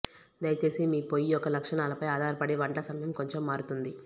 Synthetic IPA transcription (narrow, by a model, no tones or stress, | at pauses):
d̪ɐjɐt͡ʃe̞ːsimiːpoːjijɔkːɐlɐkʂɐɳaːlɐpɐjaːd̪ʱaːɾɐpɐɽeʋɐɳʈɐsɐmɐjɐmko̞ɲt͡ʃomːaːɾut̪und̪i